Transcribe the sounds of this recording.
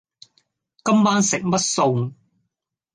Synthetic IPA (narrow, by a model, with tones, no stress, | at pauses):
kɐ˥mːaː˥nsɪ˨k̚mɐ˥t̚so˨˧w